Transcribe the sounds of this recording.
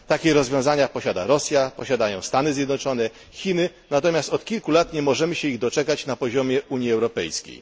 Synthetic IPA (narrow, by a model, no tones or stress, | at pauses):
t̪akʲɛɾɔzvʲjɔ̃w̃zaɲapɔɕad̪aɾɔsʲjapɔɕad̪ajɔ̃w̃st̪anɘzʲjɛd̪nɔt͡ʂɔnɛ | xʲinɘnat̪ɔmʲjast̪ɔt̪kʲilkulat̪ɲɛmɔʐɛmɘɕɛiɣd̪ɔt͡ʂɛkat͡ɕnapɔʑɔmʲjɛʔuɲjiɛwɾɔpɛ̰jskʲḛj